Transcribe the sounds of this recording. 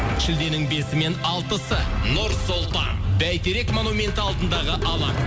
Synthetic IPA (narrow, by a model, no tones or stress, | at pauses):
ʃɪld̪e̞nɪŋbe̞sɪme̞nɑlˠt̪əsənʊɾsolˠt̪ɑ̰nb̪æjt̪ʰeɾe̞kmo̞numʲe̞nt̪ɑlˠd̪ənd̪ɑʁəʔɑlˠɑ̰n